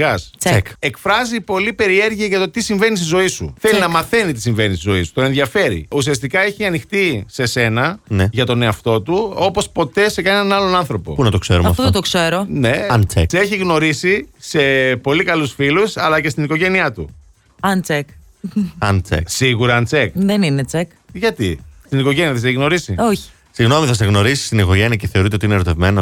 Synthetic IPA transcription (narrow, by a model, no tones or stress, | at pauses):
ɣɐst͡seke̞kfɾɐzipo̞lipe̞ɾie̞ɾʝiɐʝɐt̪o̞t̪isiɱve̞nist̪izo̞isṵθelinɐmɐθe̞nit̪i̥siɱve̞nist̪izo̞isu̥t̪oe̞nðiɐfe̞ɾḭusiɐst̪ikɐe̞çiɐnixt̪ise̞se̞nɐneʝɐt̪o̞ne̞ɐft̪o̞t̪uo̞po̞spo̞t̪e̞se̞kɐnnenɐlo̞nɐnθɾo̞po̞̰unɐt̪oksḛɾṵɐmɐ̰ft̪oðt̪okseɾone̞ɐnt͡seseçiɣno̞ɾisise̞po̞likɐlusfilusɐlɐce̞st̪inikoʝe̞niɐt̪ṵ | ɐnt͡sek | ɐnt͡sḛksiɣuɾɐɐnt͡se̞kðeninet͡sek | ʝɐt̪ist̪iniko̞ʝe̞niɐθes̬eçiɣno̞ɾisioçi̥ | siɣno̞miθɐseɣno̞ɾisi̥st̪iniko̞ʝe̞niɐceθe̞o̞ɾit̪eot̪ineɾo̞t̪e̞vme̞no